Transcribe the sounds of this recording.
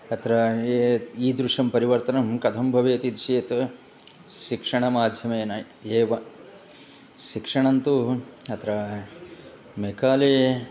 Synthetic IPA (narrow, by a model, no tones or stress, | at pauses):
ɐt̪ɾɐ | iːd̪ɾuʂɐmpɐɾiʋɐɾt̪ɐnɐmkɐt̪ʰɐmbʱɐʋeːt̪id̪ɾʃeːt̪ | ʃikʂɐɳɐmaːd̪ʱjɐmeːnɐ | eːʋɐ | ʃikʂɐɳɐnt̪uɐt̪ʰɾɐ | mekaːleː